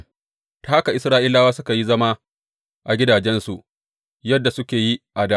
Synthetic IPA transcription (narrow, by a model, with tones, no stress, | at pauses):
ta˦a˦ka˨ʔɪ˨sɾaː˦ʔi˦laː˦waː˦sʊ˦ka˨ji˦zɐ˦ma˦ | ʔa˨ɡʲɪ˦daː˨d͡ʒɛ˦nsu˨ʔ | jɐ˦dːa˨sʊ˦kʲeː˨ji˦ʔa˨daː˦